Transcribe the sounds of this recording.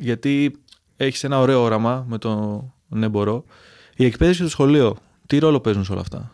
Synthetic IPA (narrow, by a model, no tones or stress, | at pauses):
ʝɐt̪i | e̞çi̥se̞nɐo̞ɾe̞oo̞ɾɐmɐme̞t̪o̞ | ne̞bo̞ɾo̞ | iekpe̞ðesist̪osxo̞lio̞ | t̪iɾo̞lo̞pe̞zunseo̞lɐ̰ft̪ɐ̰